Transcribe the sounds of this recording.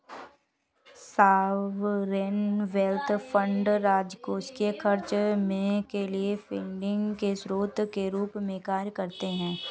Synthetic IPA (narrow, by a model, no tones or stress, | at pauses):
saːʋɾenʋɛlt̪ʰfʰə̃ɳɖɾaːd͡ʒkoːskekʰɐɾt͡ʃmẽkeliefɪːɳɖɪ̃ŋɡkesɾoːt̪keɾuːpmẽkaːɾjkɐɾt̪eɦɛ̃ː